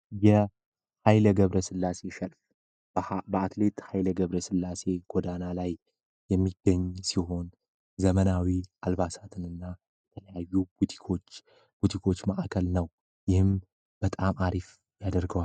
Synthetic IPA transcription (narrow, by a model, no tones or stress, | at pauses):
jɛ | hajləɡəβɾəsɨlːase̞ʃɛlf | bəat̪le̞t̪ʼhajləɡəβɾəsɨlːase̞ɡ̥od̪analaj | jɛmːiɡːəɲːsiɦo̞n | zəmənawiʔalbasat̪ʰɨnɨnːa | jɛt̪ʰələjajːubut̪ʰi̥kʰo̞t͡ʃː | b̥ut̪ʰikʰo̞t͡ʃːmaʔakʰəlnəw | jɪhɨm | b̥ət̪ʼamaɾif | jad̪əɾɡəwal